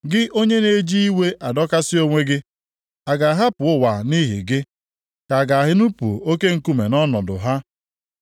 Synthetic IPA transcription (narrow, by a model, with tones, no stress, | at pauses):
ɡɪ˦ʔo˦ɲe˦ne˦d͡ʒi˦i˦we˦ʔa˨dɔ˦ka˦sɪ˦o˦ŋʷe˦ɡɪ˦ | a˨ɡa˨ɦa˦pʊ˨ʊ˦wa˨ni˦ɦɪ̰˨ɡɪ˦ | ka˨ɡa˨ɦɪ˦nu˦pṵ˨o˦ke˦ŋ̩˨ku˦me˨nɔ˦nɔ˨dʊ̰˨ɦa˦